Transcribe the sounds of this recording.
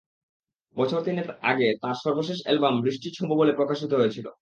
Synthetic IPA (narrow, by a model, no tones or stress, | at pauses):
bɔt͡ɕʰoɾt̪ineɾa̰ɡet̪aɾʃɔɾboʃ̬eʃ̬ɛ̰lbambɾiʃʈit͡ɕʰumbobolepɾokaʃit̪oɦojet͡ɕʰilo̰